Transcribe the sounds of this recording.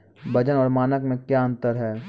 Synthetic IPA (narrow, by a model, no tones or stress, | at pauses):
bɐd͡ʒənɔːɾmaːnəkmẽkjaə̃nt̪əɾɦɛː